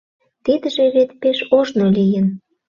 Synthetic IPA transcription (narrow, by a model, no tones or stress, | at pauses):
t̪id̪əʒeɾet̪peʃoʒnolʲijən